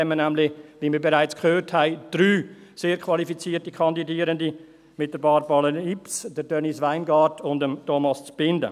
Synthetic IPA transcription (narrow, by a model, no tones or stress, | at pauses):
ɛmːənæmlɪʋiməɾbeɾaɪt͡skʰχøːrthaɪd̥ɾyː | seːɾkʰʋɑlifit͡siːərtikʰɑndidiːəɾəndi | mɪt̚d̥əɾbɑːɾbɑləipsd̥əɾdœnisʋaɪnɡɑːɾdʰʊndəmtʰɔmɑst͡sb̥ɪndə̰